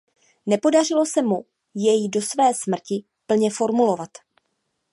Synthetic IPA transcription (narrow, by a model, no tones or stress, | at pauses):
nɛpo̞dar̝ɪlo̞sɛmu | jɛjɪdo̞svɛːsmr̩cɪ | pl̩ɲɛfo̞ɾmulo̞vat̪